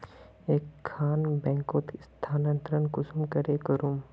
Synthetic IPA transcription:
eːkʰːaːnbɛ̃ːŋkoːt̪st̪ʰaːnə̃nt̪ɾənkʊsumkəɾekəɾum

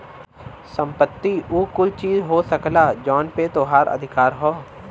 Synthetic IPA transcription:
sə̃mpət̪ːiuːkʊt͡ʃt͡ʃiːzɦosɐklad͡ʒɔːnpet̪oːɦaːɾɐ̰d̪ʱɪkaːɾɦoː

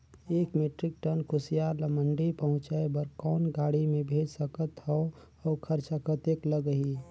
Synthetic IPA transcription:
eːkmeʈɾɪk̚ʈənkʰʊsijaːɾləməɳɖipəɦʊ̃t͡ʃaebəɾkɔːnɡaːɽimẽbʱeːd͡ʒsəkət̪ɦɔ | ɔːkʰəɾt͡ʃəkət̪ekləɡəɦi

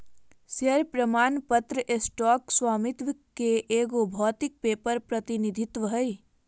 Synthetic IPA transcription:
səɾpɾəmaːnpət̪ɾəʔesʈɔːkswaːmɪt̪ʋkeʔeːɡobʱɔːt̪ɪk̚peːpəɾpɾɐt̪ɪnid̪ʱɪt̪wəɦəj

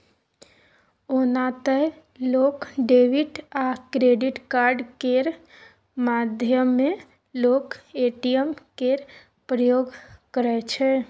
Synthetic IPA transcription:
onat̪ə | loːkɖeːʋiʈakɾeɖɪʈkaːɾɖkeɾ | mad̪ʱjəmːẽ | loːkeʈijəmkeɾ | pɾəjoːɡkəɾɛt͡ʃʰɛ

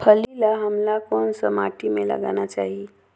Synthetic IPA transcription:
pʰəlilaɦəmlakonsəmaʈimelə̰ɡa̰nat͡ʃaɦi

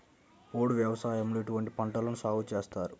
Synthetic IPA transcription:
oːɽuʋjɐʋɐsaːjɐmloːiʈuʋɐɳʈipɐɳʈɐlɐnusaːɡut͡ʃeːst̪aːɾu

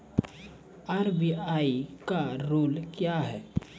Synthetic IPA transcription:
aːɾbiaːikaɾoːlkjaɦɛː

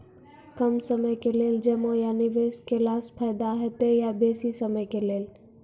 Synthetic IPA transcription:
kəmsəməjkeleːld͡ʒəmojanɪʋeːskelaːspʰaɪd̪aɦɛt̪ejabeːsisəməjkeleːl

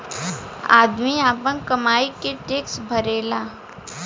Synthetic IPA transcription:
a̰ːd̪miaːpə̃ŋkɐmaːikeʈeːksbʱəɾeːlaː

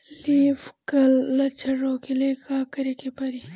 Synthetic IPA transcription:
liːfkɐlːɐt͡ʃʰɐɾoːkilekɡaːkɐɾekepɐɾi

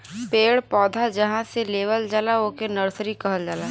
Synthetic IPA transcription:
peːɽpɔːd̪ʱad͡ʒɐɦãseleːʋəld͡ʒalaoːkenɐɾsɾikɐɦəld͡ʒaːlaː

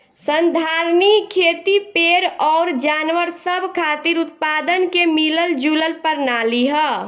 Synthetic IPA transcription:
sənd̪ʱaɾnikkʰːeːt̪ipeːɾɔːɾd͡ʒaːnʋəɾsəbʱkʰat̪iɾʊt̪̚paːd̪ənkemiləld͡ʒuləlpəɾnaːliɦə

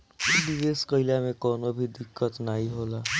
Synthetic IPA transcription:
biʋeːskəɪlamẽkɔːnobʱid̪ɪkːət̪naːiɦoːlaː

